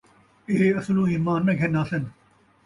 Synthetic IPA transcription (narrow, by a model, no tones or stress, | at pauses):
ɪɦeɐslũːiːmãːnːẽɡʱenaːsɐn